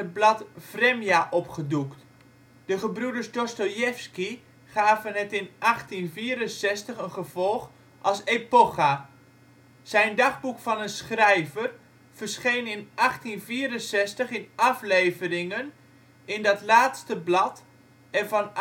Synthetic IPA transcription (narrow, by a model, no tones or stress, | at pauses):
əblɑtv̥rɛmjaʔɔpχədukt | d̥əχəbrudərsdɔstojɛfski | χaːvənɦɛtɪnʔɑχtinviːɾənsɛstəχənχəv̥ɔlˠχ | ʔɑlˠsepoχa | z̥ɛjndɑχbukfɑnənsχrɛjvər | v̥ərsχejnɪnʔɑχtinviːɾənsɛstəχɪnɑflejvərɪŋən | ɪndɑtlaːtstəblɑt | ɛnvɑn